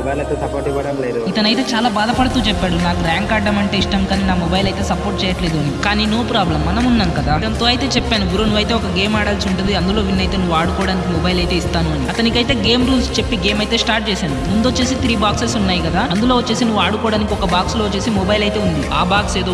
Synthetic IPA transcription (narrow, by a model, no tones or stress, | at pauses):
ɐt̪ːɐ | ipɐɽɐl | it̪ɐnɐjt̪e̞ːt͡ʃaːlaːbaːd̪ɐpɐɽɐt̪uːt͡ʃɛpːaːɽunaːkuɾaːŋkaːɖːɐmɐɳʈe̞ːiʂʈɐmkaːninaːmɔbɐjlɐjt̪e̞ːsɐpoːɾʈ̚t͡ʃɛːjɐʈle̞ːd̪uɐnikaːniːnoːpɾaːblɐmːɐnɐmunːaːnukɐd̪aːɐnt̪oːɐjt̪e̞ːt͡ʃɛpːaːnuɡuɾoːnuʋːɐjt̪e̞ːɔkɐɡe̞ːmaːɽaːlsuɳʈund̪iɐnd̪ulo̞ːʋinːɐjt̪e̞ːnuʋːaːɽukɔːɽaːnikimɔbɐjlɐjt̪e̞ːist̪aːnuɐniɐt̪ɐnikɐjt̪e̞ːɡe̞ːmɾuːlst͡ʃepːiɡe̞ːmɐjt̪e̞ːsʈaːɾʈ̚t͡ʃɛːsaːnumund̪ot͡ʃːe̞ːsit̪ɾiːbaːksesunːaːjikɐd̪aːɐnd̪ulo̞ːʋɐt͡ʃːe̞ːsinuʋuaːɽukɔːɽaːnikiɔkɐbaːksloːot͡ʃːe̞ːsimɔbɐjlɐjt̪e̞ːund̪iaːbaːkse̞ːd̪oː